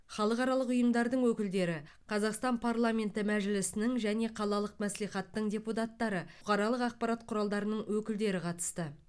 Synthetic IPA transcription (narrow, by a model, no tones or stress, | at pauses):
χɑlˠəqɑɾɑlˠəqʊjəmd̪ɑɾd̪əɴwɵkʲɪld̪e̞ɾɪ | qʰɑzɑqst̪ɑnpʰarlˠamʲe̞nt̪ɪmæʒɪlɪsɪnɪŋʒæne̞qʰɑlˠɑlˠəqmæsleχɑt̪ːəɴdʲe̞put̪at̪ːɑɾəʊqʰɑɾɑlˠəqɑq̚pɑɾat̪qʰʊɾɑlˠd̪ɑɾənəɴwɵkʲɪld̪e̞ɾɪqʰɑt̪ə̥st̪ə